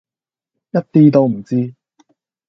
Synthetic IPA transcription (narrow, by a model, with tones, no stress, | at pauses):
jɐ˥t̚t̪iː˥t̪o˧wm̩˨˩t͡siː˥